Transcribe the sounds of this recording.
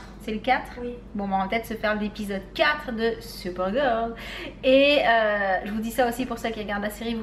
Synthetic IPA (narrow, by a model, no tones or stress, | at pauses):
sɛləkat̪χbɔ̃bãpət̪ɛt̪səfɛʁld̪epizɔd̪kʲat̪χd̪əsypɛʁɡɔʁd̪eøʒəvud̪isaosipuʁsøkʲiʁəɡaʁd̪laseʁiv